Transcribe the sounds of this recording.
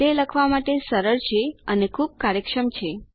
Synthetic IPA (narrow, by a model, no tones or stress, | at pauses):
t̪eləkʰʋamaʈesəɾəɭt͡ʃʰeənekʰub̚kaɾjəkʃəmt͡ʃʰe